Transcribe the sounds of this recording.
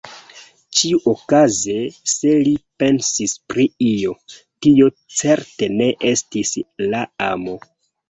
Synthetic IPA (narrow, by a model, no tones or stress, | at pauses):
t͡ʃiuʔokazese̞lipe̞nsispɾiio̞ | tio̞ | t͡se̞ɾte̞ne̞ʔe̞stislaamo̞